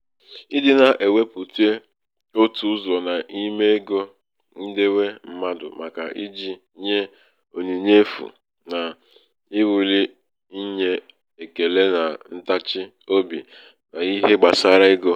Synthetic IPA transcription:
i˦dɪ˨na˨ʔe˨we˦pu˨te˦ | o˦tu˨ʊ˦zɔ˨na˨ʔi˦me˦e˦ɡo˦ | n̩˦de˦we˦m̩˦ma˦dʊ̰˨ma˨ka̰˨ʔi˦d͡ʒi˦ɲe˦ | o˨ni˨ɲe˦fṵ˨ | na˨ | ɪ˦wu˨li˦ | i˦ɲe˦ | e˨ke˨le˦na˨n̩˦ta˦t͡ʃɪ˦ | o˦bḭ˨ | na˨i˦ɦe˦ɡ͡ba˨sa˦ɾa˦ɪ˦ɡo˦

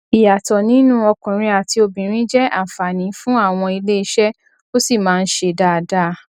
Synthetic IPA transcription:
i˨ja˨tɔ˨nĩ˨˦nũ˦ɔ˧kũ˨ɾ̃ĩ˧a˨ti˧o˧bĩ˨ɾ̃ĩ˦d͡ʒɛ˦a̰˦˨fa˨nĩ˨˦fũ˦a˦˨w̃ɔ̃˧i˧le˦i˧˦ʃɛ˦ | o˦si˦˨mãː˦˧n̩˦ʃe˧da˦˨da˦

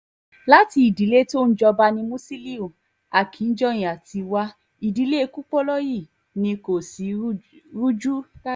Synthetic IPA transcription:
la˦ti˧i˨di˨˦le˦to˦˧n̩˦d͡ʒɔ˧ba˧nĩ˧mũ˦si˦li˦u˨ | a˨kʰi˨˦n̩˦d͡ʒɔ˦˨j̃ĩ˨a˨ti˧wa˧ | i˨di˨˦le˦e˧ku˦k͡pɔ˦lɔ˦ji˦˨ | nĩ˧ko˨si˨˦ɾu˦d͡ʒu˦ka˦

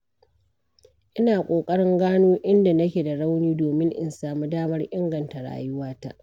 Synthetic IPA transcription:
ʔɪ˦naː˨kʷʼoː˨kʼɐ˦ɽɪ˦ŋɡaː˦noː˦ʔɪ˦nda˨nɐ˦kʲeː˨da˨ɽa˦wniː˦doː˨mɪ˦ŋʔɪ̰˦nsaː˨muː˦daː˦mɐ˦rʔɪ˦ŋɡɐ˨nta˨ɽa̰ː˦˨jʊ˦waː˦ta̰˦ʔ

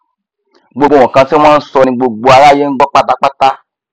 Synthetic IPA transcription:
ɡ͡bo˨ɡ͡bo˨w̃ɔ̃˨kã˧sɛ̃˦ã˦sɔ˧nĩ˧ɡ͡bo˨ɡ͡bo˨a˨la˦je˦ŋ̩˦ɡ͡bɔ˦k͡pa˦ta˦k͡pa˦ta˦

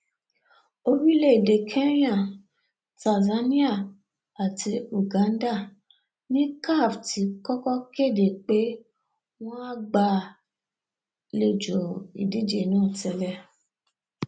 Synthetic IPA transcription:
o˦wi˦le˦˨de˨kʰe˦ɾĩ˦ã˦˨ | ta˨za˨˦nĩ˦a˦˨ | a˨ti˧u˨ɡã˨˦n̩˦da˦˨ | nĩ˦ka˦˨fti˧˦kɔ˦kɔ˦ke˦˨de˨k͡pe˦ | w̃ɔ̃˦a˦ɡ͡ba˧˨ | le˨d͡ʒo˨i˨di˨˦d͡ʒe˧˨nã˦˨tɛ˧lɛ˧˨

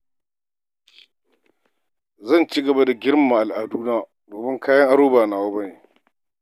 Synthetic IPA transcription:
zɐ˦˨nt͡ʃi˦ɡɐ˨ba˦da˨ɡʲɪ˦ɾma˨ʔa˨lʔa˨duː˦naː˦ | doː˨mɪ˦ŋkʰaː˦jɐ˦ŋʔa˦ɽɾoː˦baː˨naː˨wa˦bɐ˦neː˨

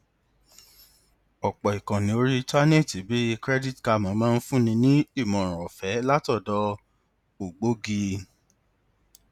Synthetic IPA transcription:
ɔ˨k͡pɔ˨i˨kã˨nĩ˨˦o˧ɾi˦˧ta˦nẽ˦˨ti˨˦bi˦i˧kɾɛ˦di˦tka˧mã˨˦mãː˦˧n̩˦fũ˦nĩ˧nĩ˦i˦˨mɔ̃˨ɾ̃ã˨ɔ˨fɛ˨˦la˦tɔ˦˨dɔ˧ | o˨ɡ͡bo˦ɡi˧

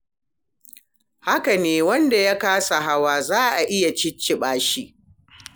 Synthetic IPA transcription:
ha˦ka˨neː˨˦wɐ˦nda˨ja˦kaː˦sa˨ɦa˦waː˦˨zaː˦ʔa˨ʔɪ˦ja˨t͡ʃɪ˦t͡ʃːɪ˦ɓaː˦ʃi˦ʔ

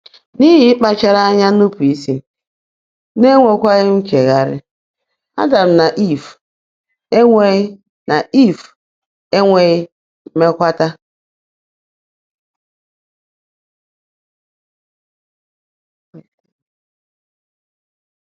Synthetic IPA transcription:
ni˦ɦi˦k͡pa˦t͡ʃa˦ɾa˦a˦ɲa˦nu˦pu˨i˦si˦ | ne˦ŋʷe˨kʷa˦ɣɪ˦ŋ̩˦ke˨ɣa˨ɾɪ̰˦ | a̰˦da˨m̩˨na˨ʔi˦˨f | e˦ŋʷe˦ɣ | na˨i˦˨f | e˦ŋʷe˨ɣɪ˦ | me˦kʷa˦ta˦

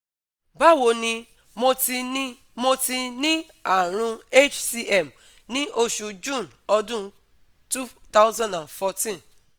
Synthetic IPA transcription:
ba˦wo˧nĩ˧ | mo˧ti˧nĩ˦ | mo˧ti˧nĩ˦ | a˦˨ɾ̃ũ˧e˦˨t͡ʃsi˧ʔɛ˦˨m | nĩ˦ʔo˧ʃu˧d͡ʒũ˦˨n | ɔ˧dũ˦ | tu˦t̪a˦ʊ˦zã˦˨dã˨nfɔ˧tĩ˦n

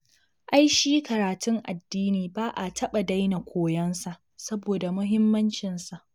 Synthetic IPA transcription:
ʔa˦jʃiː˦kɐ˨ɾaː˨tʊ˦ŋʔa˨dːiː˦niː˨baː˦ʔa˨tʰɐ˦ɓa˨da˦jna˨kʷʰoː˦jɐ˦nsa˨ʔ | sɐ˦boː˨da˨mʊ˦ɦɪ˦mːɐ˦nt͡ʃɪ˨nsa˨ʔ

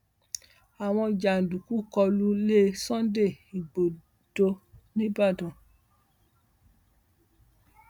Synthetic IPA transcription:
a˨w̃ɔ̃˧d͡ʒa˨n̩˨du˨ku˦kɔ˧lu˦le˦sɔ̃˦de˦˨i˨ɡ͡bo˨ | d̥o˧nĩ˦ba˦˨dɔ̃˨

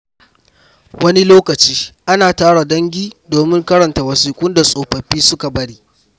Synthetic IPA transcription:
wɐ˦ni˦loː˦kɐ˨t͡ʃiː˦ʔa˦naː˨taː˦ɽa˨dɐ˦ŋɡʲiː˦doː˨mɪ˦ŋkɐ˦ɽɐ˨nta˨wɐ˨siː˨kʷʊ˦nda˨sʼoː˨ɸɐ˨ɸiː˦sʊ˦ka˨bɐ˦ɽiː˦ʔ

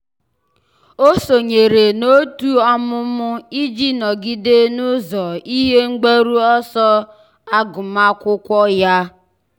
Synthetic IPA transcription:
o˦so˨ɲe˨ɾe˨no˦tu˦ɔ˦mʊ˦mʊ˦i˦d͡ʒi˦nɔ˨ɡi˦de˦nʊ˦zɔ˨i˦ɦe˦ŋ͡m̩˦ɡ͡be˦ɾu˦ɔ˦sɔ˦ | a˦ɡʊ˨ma˦kʷʊ˦kʷɔ˦ja˦

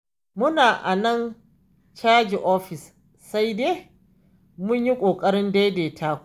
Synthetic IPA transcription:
mʊ˦naː˨ʔa̰˨nɐ˦n | t͡ʃaː˦d͡ʒi˨ʔɔ˦ɸɪ˨s | sa˦jdeː˦ | mʊ˦ɲji˦kʷʼoː˨kʼɐ˦ɽɪ˦ndeː˦deː˨tʰaː˦kʷ

